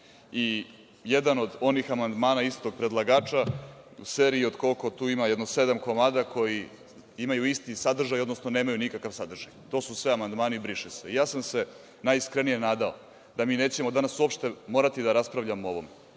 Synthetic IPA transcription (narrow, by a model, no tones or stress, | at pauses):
i | jed̪ano̞d̪o̞nixamand̪maːnaist̪o̞ɡ̚pɾe̞d̪lˠaɡaːt͡ʃaṵse̞ːɾiiod̪ko̞lko̞t̪uːimajd̪nose̞d̪amko̞maːd̪akʰo̞ji | imajuist̪isad̪r̩ʒajo̞d̪no̞sno̞neːmajunikakaʋsad̪rʒajt̪o̞susʋe̞amand̪maːneibɾiʃeseijaːsamse̞ | najiskɾenije̞naːd̪ao | d̪̥amiːne̞ːt͡ɕe̞mo̞d̪anasuopʃt̪e̞mo̞ːɾat̪id̪aɾaspɾaʋʎamoo̞ʋo̞me